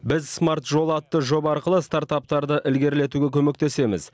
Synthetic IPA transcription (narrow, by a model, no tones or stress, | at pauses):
bɪzsmart̪ʒo̞lˠɑt̪ːəʒo̞bɑɾqəlˠəst̪art̪ap̚t̪ɑɾd̪əʔɪlɡʲe̞ɾle̞t̪uɡʲe̞kʲʰɵme̞k̚t̪e̞se̞mɪ̰z